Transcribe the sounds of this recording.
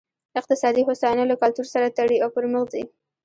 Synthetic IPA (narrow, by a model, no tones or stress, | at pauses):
ɪq̚t̪ɪsɑd̪iɦʊsɑjɑnalakalt̪uɾsaɾat̪aɽiawpəɾmʊxd̪i